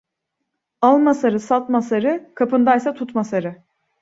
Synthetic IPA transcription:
alˠmasaɾɯsat̪masaɾɯkʰapɯnd̪ajsat̪ʰut̪masaɾɯ

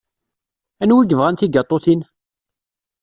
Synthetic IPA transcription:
ænwiɡəvʁænt̪iɡɑt̪ˤːoθin

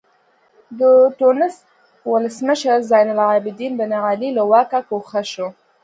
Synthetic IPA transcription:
d̪əʈonɪst̪ | wʊləsməʃəɾzɑjnʊlabɪd̪inb̪ənaɣalilawɑkakoxaʃo

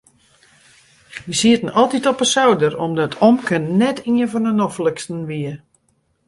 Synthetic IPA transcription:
ʋisiətən̩ɔlˠtitɔpəsawdəromdɔtʰomkənnɛtʰiənvɔnənɔfləkstən̩ʋiə

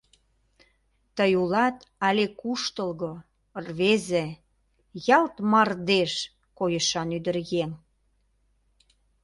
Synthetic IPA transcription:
t̪əjulɑt̪ɑlʲekuʃt̪əlɣo | rβeze | jɑlt̪mɑrd̪eʃ | kojəʃɑnyd̪ərɣen

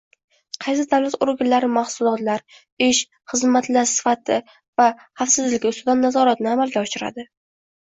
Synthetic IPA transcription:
qʰɑjs̬ɪd̪awlat̪ʊɾɡʲanlaɾɪmahsʊlˠɒt̪laɾ | ɪʃ | χɨzmat̪laɾsɪ̥fat̪ʰɪ | vahafsɪzlɪɡʲɪʊst̪ʊd̪anːazɒɾat̪nɪamalɡʲaɒʃɪɾa̰d̪ɪ

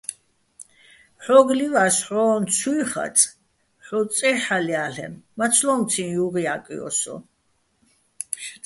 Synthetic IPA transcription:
ħɔɡlivasħɔːnt͡sʰujχa̰t͡sʼ | ħɔt͡sʼɛħaliaɬɛ̰mːat͡sʰlɔmt͡sʰĩnjuʁiakʼḭɔ̰sɔ̰

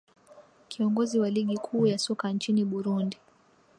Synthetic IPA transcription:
kʰiɔŋɡɔziwaliɠikʰuːjasɔkant͡ʃiniɓuɾundi

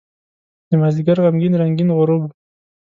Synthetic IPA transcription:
d̪̥əmaziɡaɾʁamɡinɾaŋɡinʁʊɾob

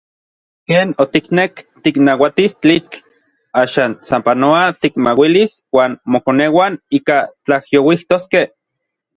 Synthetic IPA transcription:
keːnot̪iknekt̪iknawat̪ist͡ɬit͡ɬ | aːʃaːnsampanoat̪ikmawiliswaːnmokonewaniːkat͡ɬahjowiht̪oskeh

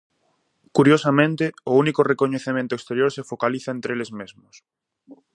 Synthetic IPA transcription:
kuɾjosamẽnt̪ɪʊunikorekoɲeθemẽnt̪oekst̪eɾjoɾsefokaliθaẽnt̪ɾelezmezmʊs

